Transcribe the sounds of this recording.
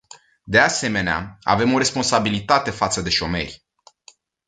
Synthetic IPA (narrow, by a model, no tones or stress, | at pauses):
d̪e̞ase̞me̞nea̰a̰ve̞mo̞ɾe̞sponsabilit̪at̪e̞fat̪səd̪e̞ʃo̞me̞̰rʲ